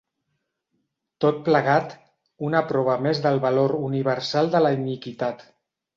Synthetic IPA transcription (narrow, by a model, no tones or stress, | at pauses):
t̪ot̪̚pləɣat̪ | unəpɾɔβəmezðəlˠβaloɾuniβ̞əɾsalˠd̪ələinikit̪at̪